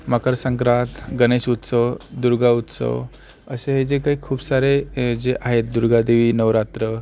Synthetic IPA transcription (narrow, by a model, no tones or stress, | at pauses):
məkəɾsə̃ŋkɾat̪ɡəneɕut̪səʋd̪uɾɡaut̪sə̰ʋ | əɕeɦed͡zekaɦiːkʰuːbsaɾed͡zeʔaɦet̪̚d̪uɾɡad̪eʋiːnəʋɾat̪ɾə